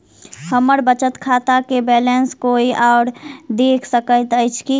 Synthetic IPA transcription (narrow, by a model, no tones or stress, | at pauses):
həməɾbət͡ʃət̪kʰaːt̪akebɛːlənskoːiʔaːɾd̪eːkʰsəkət̪əɪt͡ʃʰki